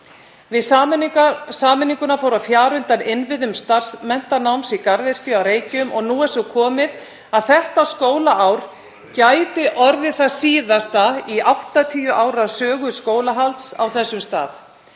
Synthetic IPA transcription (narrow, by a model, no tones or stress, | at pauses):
vɪ | saːmɪniŋkʏnafaːwɾafjaːɾʏnt̪anɪnvɪðʏmst̪ar̥smɛn̥t̪anawmsikaɾðɛr̥cʏawɾeːjcʏmʔɔɣnuːɛsɔkʰɔːmɪð | aðθɛht̪askoːwlaʔawɾ̥ | caːjt̪ɪʔɔɾðɪθaðsiːðast̪aiʔawht̪at̪ʰiːjʏʔaːwɾḁsœːɣʏskoːwlaɦalt̪sa̰wθɛsːʏmst̪a̰ːð